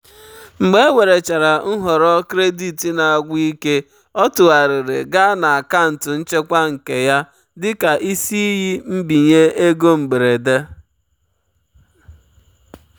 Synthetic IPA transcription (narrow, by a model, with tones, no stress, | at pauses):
ŋ͡m̩˨ɡ͡be˦e˦we˨ɾe˨t͡ʃa˨ɾa˨n̩˦ɦɔ˨ɾɔ˦kɾe˦di˨ti˨na˨a˨ɡʷi˦ke˦ | ɔ˦tʊ˨ɣa˨ɾɪ˨ɾḛ˨ɡa˦na˨a˨ka˦n̩˨tʊ˨n̩˦t͡ʃe˦kʷa˦ŋ̩˨ke˨ja˦ | dɪ˦ka˨ʔi˦si˦ji˦m̩˦bi˨ɲe˦e˦ɡo˦m̩˨ɡ͡be˨ɾe˨de˦